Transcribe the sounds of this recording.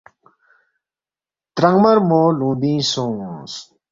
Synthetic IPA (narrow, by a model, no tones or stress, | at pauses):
t̪ɾɐŋmɐɾmoːlũːd̪ĩːsõːs